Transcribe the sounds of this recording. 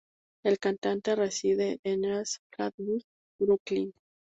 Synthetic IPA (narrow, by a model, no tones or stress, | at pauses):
elkant̪ant̪e̞resiðeʔːnesfɾaðmi | bɾuklin